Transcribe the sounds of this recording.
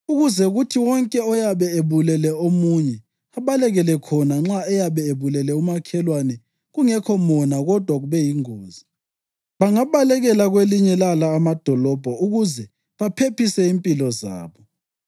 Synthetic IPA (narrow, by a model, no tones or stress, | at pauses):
uɣuzɛɣutʰiwɔŋkʼɛɔjaβɛeβulɛlɛomuɲɛ | aβalɛɣɛlɛkʰɔnaŋ͡ǁaɛjaβɛeβulɛlɛumakʰɛlwanɛ | ɣuŋɛkʰɔmɔnaɣɔd̥ʱwaɣuβɛjiŋoːzi | βaŋaβalɛɣɛlaɣweliɲɛlalaːmad̥ʱɔlɔb̥ʱɔuɣuzɛ | βapʰepisɛimpʼilɔza̰ːβɔ